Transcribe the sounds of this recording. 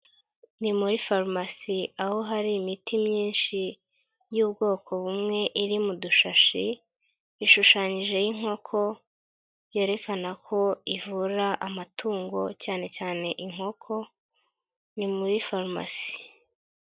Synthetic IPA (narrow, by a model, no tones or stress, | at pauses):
nimuɾifaɾmasiaho̞ɦaɾiːmitimɲiːnʃi | juːbɡo̞ːkʰo̞βumŋe̞ʔiɾimuduʃaʃi | iʃuʃaːɲiʒe̞jiŋ̥o̞kʰo̞ | je̞ːɾe̞kanakʰo̞ivuɾaʔamatuːŋɡo̞caːne̞caːne̞ʔiŋ̥ho̞kʰo̞ | nimuɾifaɾma̰si̥